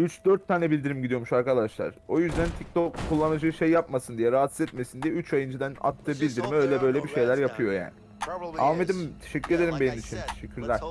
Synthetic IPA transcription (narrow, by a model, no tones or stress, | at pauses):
yt͡ʃd̪øɾt̪ʰːaːnɛbilʲd̪iɾimɟid̪ijo̞muʃaɾkad̪aʃlˠa̰ɾ̥o̞jyzd̪ænt̪ʰict̪ʰo̞kʰːulˠːanad͡ʒɯːʃe̞jːapmasɯnd̪ijɛɾaːɦat̪sizɛt̪me̞sind̪ijɛyt͡ʃajɯnd͡ʒɯd̪æna̰t̪ʰːɯːbilʲd̪iɾimø̞jlʲɛbø̞jlʲɛbiʃe̞jlʲæɾjapʰɯjo̞ja̰ːnɪ | amed̪imt̪ʰe̥ʃɛcʰʲːyɾe̞d̪eɾimbe̞nimit͡ʃʰint̪ʰe̞ʃɛcʲʰːyɾlʲæɾ̥